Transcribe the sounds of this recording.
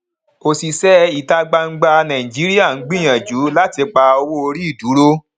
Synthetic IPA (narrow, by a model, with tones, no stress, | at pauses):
o˧si˨sɛ˦i˨ta˧ɡ͡ba˧ŋ̩˦ɡ͡ba˧nã˨ĩ˨d͡ʒi˨˦ɾi˦a˦˨ŋ̩˦ɡ͡bĩ˦j̃ã˨d͡ʒu˨˦la˦ti˧k͡pa˧o˧wo˦o˧ɾi˦i˦˨du˨˦ɾo˦